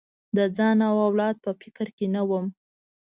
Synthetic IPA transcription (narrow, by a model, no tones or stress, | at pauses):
d̪əd͡zɑnawawlɑd̪̚pəfɪkɾkenawəm